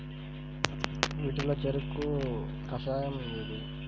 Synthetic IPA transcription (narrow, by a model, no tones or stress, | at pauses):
ʋiːʈuloːt͡ʃeɾukːu | kɐsaːjɐmleːd̪u